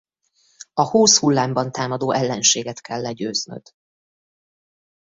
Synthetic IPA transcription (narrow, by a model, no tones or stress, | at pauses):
ɒhoːshulːaːmbɒnt̪aːmɒd̪oːʔɛlːɛnʃeːɡɛt̪kʰɛlːɛɟøːznø̰d̪̥